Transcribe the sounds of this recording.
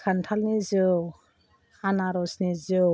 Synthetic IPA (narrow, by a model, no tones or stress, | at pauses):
kʰantʰalnizɯ | anaɾɔsnizɯ